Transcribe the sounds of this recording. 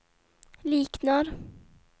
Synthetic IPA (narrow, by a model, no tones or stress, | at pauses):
liːknaɾ